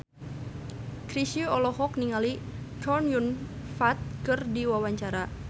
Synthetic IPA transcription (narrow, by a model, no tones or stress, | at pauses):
kɾisiɔlɔɦɔk̚niŋalikʰɔnjun | fat̪̚kɨrdiwawaɲt͡ʃaɾa